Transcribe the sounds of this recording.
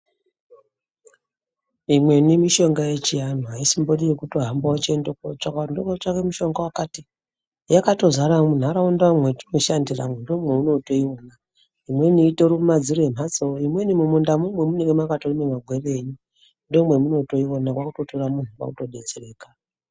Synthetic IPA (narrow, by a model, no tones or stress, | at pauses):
imwe̞nimiʃo̞ŋɡaje̞t͡ʃijan̤uɦaisimboɗijekuto̞ɦambawot͡ʃendekot͡ʃakandokot͡ʃakemuʃo̞ŋɡawakati | jakato̞zaɾamun̤uaɾaundaamwe̞ti̥no̞ʃandira̰mwendo̞mwe̞uno̞to̞iona | imwe̞niːtoɾuumad͡ziroem̤at͡soimwe̞nimumundamumwe̞muneŋɡemakatorimemaɡʱwe̞re̞ːɲu | ndo̞mwe̞muno̞to̞io̞nakwakuto̞toramun̤ukwa̰kuto̞ɗe̞d͡zere̞ːkḁ